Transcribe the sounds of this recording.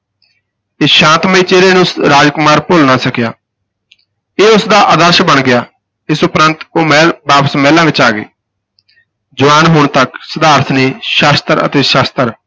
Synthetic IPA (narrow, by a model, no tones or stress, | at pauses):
ɪsʃãːnt̪məiːt͡ʃeːɾeːnũsɾaːd͡ʒkʊmaːɾpʊːlnaːsəkjaː | eːʊsd̪aːʔəd̪əɾʃbəɳɡɪjaː | ɪsʊpɾənt̪oːmɛːbaːpə̥smɛːlãːʋɪt͡ʃaːɡḛː | d͡ʒʊʋaːnɦʊɳt̪əksəd̪aːɾt̪ʰneːʃaːst̪əɾə̰t̪eːʃaːst̪əɾ